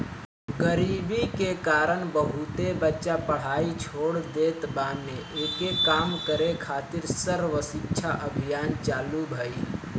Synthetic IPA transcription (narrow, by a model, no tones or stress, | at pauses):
ɡəɾiːbikekaːɾəɳbəɦut̪ebətːʃapəɽ̤aːit͡ʃʰoːɽd̪eːt̪bãːmeʔeːkekaːmkəɾekʰaːt̪ɪɾsəɾʋəsɪkt͡ʃʰaʔəbʱijaːnt͡ʃaːlubʱəi